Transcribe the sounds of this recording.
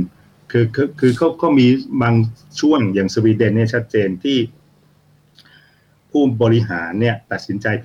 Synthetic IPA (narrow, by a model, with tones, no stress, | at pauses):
kʰɯː˧kʰːkʰɯː˧kʰa˦˥˩wkʰɔː˥˩miː˧baː˧ŋt͡ɕʰu˥˩əŋjaː˨˩ŋsu˧wiː˧de˧˩nni˥˩˨t͡ɕʰa˦˥t̪̚t͡ɕeː˧nt̪ʰiː˥˩ | pʰuː˥˩bɔː˧ɾi˦˥ɦaː˩˦nːi˥˩ɐt̪a˨˩t̪̚si˩˦nt͡ɕa˧jʰ